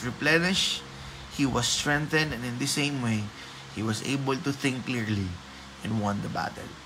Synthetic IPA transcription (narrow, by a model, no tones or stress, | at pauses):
ɹiplɛnɪʃ | hiwʌst̪ɹɛ̃nθɛ̃nd̪ɛ̃nɪ̃nd̪ɨsẽɪ̃mweɪ | hiwʌsḛjbəlt̪ʊθɪ̃ŋkːliɹli | ʔɛ̃nwʌ̃nd̪əba̰t̪ɛ̰l